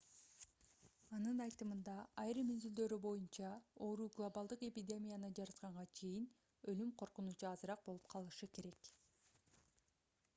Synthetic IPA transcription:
ɑnɯnɑjt̪ɯmɯnd̪ɑɑjɾɯmezyld̪ø̞ɾybo̞junt͡ʃɑo̞ɾuːɡlˠobɑlˠd̪ɯqe̞pʲidʲe̞mʲijanɯd͡ʒɑɾɑt̪qɑɴʁɑt͡ʃʰe̞jin | ø̞lymqʰo̞ɾqunut͡ʃuɑzɯɾɑq̚bolˠu̥p̚qʰɑlˠɯʃɯke̞ɾe̞k

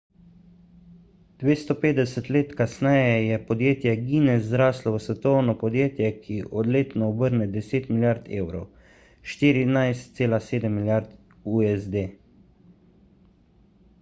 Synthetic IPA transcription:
d̪̥ʋeːst̪ɔpeːd̪ɛsɛt̪leːt̪kasnɛjɛjɛpɔd̪jeːt̪jɛɡiːnɛzɾaːslɔʋəsʋɛt̪ɔwnɔpɔd̪jeːt̪jɛkʰiʔɔd̪leːt̪nɔɔbəɾnɛd̪ɛseːt̪miljaɾt̪ʰḛwɾow | ʃt̪iːɾinajst̪̚seːlaseːd̪ɛmːiljaɾt̪ | uɛzd̪eː

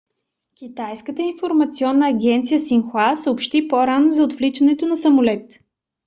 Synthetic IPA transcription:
kʲit̪ajskət̪əinfoɾmɐt̪siɔnːəːɡʲɛnt̪sijəsinxwasəopʃt̪ipoɾanozɐot̪flit͡ʃɐnɛt̪onɐsɐmʊlɛt̪

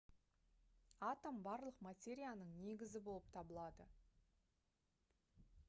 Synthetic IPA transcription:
at̪ambɑɾlˠəqmat̪ʲe̞ɾʲijanəɴne̞ɡʲɪzɪbo̞lˠəp̚t̪ʰɑbəlˠɑd̪ə

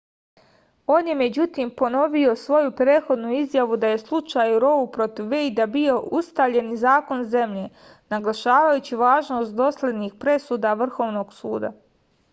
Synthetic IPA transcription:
o̞ːnje̞me̞d͡ʑut̪iːmpo̞no̞ʋio̞sʋo̞jupɾeːt̪xo̞d̪nuizjaʋud̪aje̞slˠut͡ʃajuɾo̞bupɾo̞t̪iʋːejd̪abio̞ʔust̪aʋʎe̞nizaːko̞nze̞mʎeː | naɡlaʃaːʋajut͡ɕiʋaːʒno̞ːst̪̚d̪o̞slʲe̞d̪nixpɾe̞suːd̪aʋr̩xo̞ːʋno̞ːɡ̥suːd̪a̰

